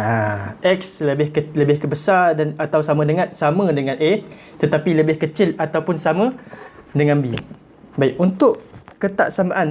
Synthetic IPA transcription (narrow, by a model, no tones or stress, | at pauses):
aʔɛk̚sləbɪhkələbɪhkəbəsardanat̪awsamə̃dəŋãt̪̚samə̃dəŋãnʔe | t̪ət̪apiləbɪhkət͡ʃɪlat̪awpʊnsamə̃dəŋãnbḭ | baiʔunt̪ʊʔkət̪a̰ʔsama̰ʔan